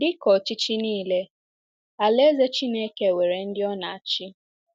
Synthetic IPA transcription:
dɪ˦kɔ˨t͡ʃi˦t͡ʃi˦niː˦˨le˦ | a˨le˦ze˦t͡ʃi˦ne˦ke˦˨we˨ɾe˨n̩˦dɪ˦ɔ˦na˨a˨t͡ʃɪ˦

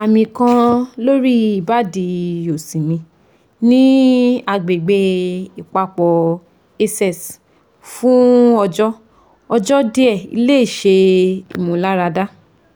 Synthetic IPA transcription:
a˨mĩ˨kã˧lo˦ɾi˦i˦˨ba˦di˧o˨sĩ˨mĩ˧ | nĩ˦a˧ɡ͡be˨ɡ͡be˧i˨k͡pa˧k͡pɔ˨ | e˧sɛ˦˨s | fũ˦ɔ˧d͡ʒɔ˦ | ɔ˧d͡ʒɔ˦de˦ɛ˦˨ḭ˧le˦i˦˨ʃe˧ḭ˨mũ˨˦la˦ɾa˧da˦

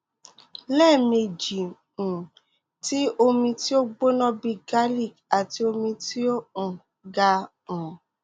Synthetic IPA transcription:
lɛː˦˨me˧d͡ʒĩ˨ | ti˦o˧mĩ˧ti˦o˦ɡ͡bo˦nɔ̃˦bi˧ɡa˦li˦˨ka˨ti˧o˧mĩ˧ti˦o˦ũ˨ | ɡa˧ | ũ˨

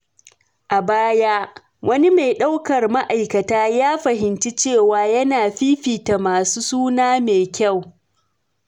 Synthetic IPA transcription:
ʔa˨baː˦jaː˦ | wʔɐ˦ni˦ma˨jɗa˦wkɐ˨rma˦ʔa˨jkɐ˨taː˦jaː˦ɸɐ˨ɦɪ˨nt͡ʃi˦t͡ʃeː˦˨waː˨jɐ˦naː˨ɸiː˦ɸiː˨ta˨maː˨suː˦suː˦naː˦meː˨kʲa˦˨w

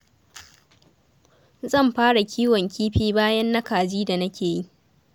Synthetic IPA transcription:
zɐ˦˨mɸaː˦ɽa˨kʲiː˦wɔ˨ŋkʰʲiː˦ɸiː˦baː˦jɐ˦nːɐ˦kaː˨d͡ʒiː˦da˨nɐ˦kʲeː˨ji˦ʔ

